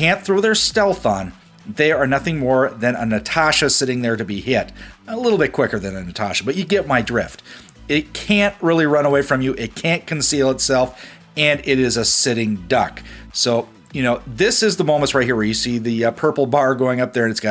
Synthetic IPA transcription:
æ̃nθɹoʊðə˞stɛlˠθn̩ | ðeɪə˞nʌθɪ̃ŋmɔɹðɨ̃nə̰nɨtʰæʃɨsɪɾɪ̃ŋðə˞ɾɨbihɪtəlɪɾl̩ˠbɪt̚kʰw̥ɪkə˞ðɨ̃nɨnɨtʰæʃəbʌt͡ʃɨɡɛt̚maɪdɹɪft | ɪt̚kʰæ̃nʔɹɪlˠiɹʌ̃nəweɪfɹʌ̃mjɨʔɪt̚kʰæ̃nkʰɨ̃n̩silˠətsɛlˠf | ɨ̃nɪɾɪzɨsɪɾɪ̃ŋdʌksoʊ | jɨnoʊðɪsɨzðəmõʊ̃mə̃ntsɹaɪhiɹjɨsiðɨpʰɜ˞pl̩ˠbɑɹɡoʊɪ̃ŋʌp̚ðə˞ɨ̃nɨtsɡ̥ɑ

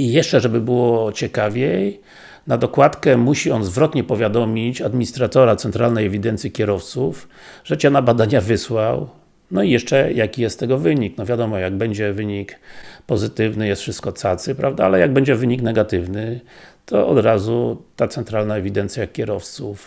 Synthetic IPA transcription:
ijɛʂt͡ʂɛʐɛbɘbɘwɔt͡ɕɛkavʲjej | nad̪ɔkwat̪kɛmuɕiɔnzvɾɔt̪ɲɛpɔvʲjad̪ɔmʲit͡ɕad̪mʲiɲist̪ɾat̪ɔɾat̪sɛnt̪ɾalnɛjɛvʲid̪ɛnt̪sʲjikʲɛɾɔft̪suf | ʐ̥ɛt͡ɕɛnabad̪aɲavɘswaw | nɔijɛʂt͡ʂɛjakʲijɛst̪ːɛɡɔvɘɲiknɔvʲjad̪ɔmɔjaɡ̚bɛɲd͡ʑɛvɘɲikpɔzɘt̪ɘvnɘjɛst̪fʂɘst̪̚kɔt̪sat̪sɘpɾʔavd̪aalɛjaɡ̚bɛɲd͡ʑɛvɘɲiknɛɡat̪ɘvnɘt̪ɔʔɔ̰d̪ɾazut̪at̪sɛnt̪ɾalnaɛvʲid̪ɛnt̪sʲjakʲːɛɾɔft̪suf

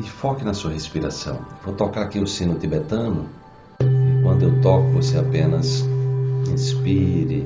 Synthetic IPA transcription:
ɪfɔkɪnɐsuɐɦespiɾa̰sɐ̰̃w̃vowt̪okaɾakiʊsĩnʊt̪ibet̪ɐ̃nʊ̰ | ɪkwɐ̃nd̪ʊewt̪ɔkʊvoseapẽnɐs | ĩspiɾɪ

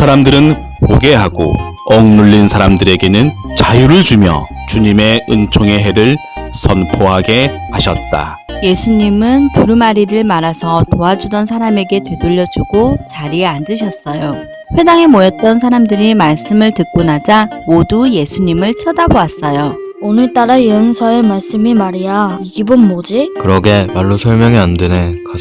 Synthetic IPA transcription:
sʰaɾamdɯɾɯn | poɡe̞ɦaɡo̰ʌŋnuɭːinsʰaɾamdɯɾe̞ɡe̞nɯn | t͡ɕajuɾɯɭd͡ʑumjʌ̰ | t͡ɕuɲime̞ɯnt͡ɕʰoŋe̞ɦe̞ɾɯɭ | sʰʌnpʰoɦaɡe̞haɕʰʌ̰t̚t͈a̰ | je̞sʰuɲimɯnpuɾumaɾiɾɯɭmaɾasʰʌtoɦad͡ʑudʌnsʰaɾame̞ɡe̞twe̞doʎːʌd͡ʑuɡot͡ɕaɾieandɯɕʰʌs͈ʌjo | ɸwe̞daŋe̞mojʌt̚t͈ʌnsʰaɾamdɯɾimaɭs͈ɯmɯɭtɯk̚k͈onad͡ʑamoduje̞sʰuɲimɯɭt͡ɕʰʌdaboas͈ʌjo | onɯɭt͈aɾaijʌnsʰʌemaɭs͈ɯmimaɾijaiɡibɯnmod͡ʑikɯɾʌɡe̞maɭːosʰʌɭmjʌŋiandeneka

